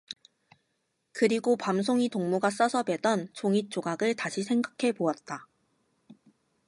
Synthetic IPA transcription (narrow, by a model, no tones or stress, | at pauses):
kɯɾiɡopamsʰoŋitoŋmuɡas͈ʌsʰʌbedʌnt͡ɕoŋit̚t͡ɕ͈oɡaɡɯɭtaɕʰisʰe̞ŋɡakʰe̞poat̚t͈a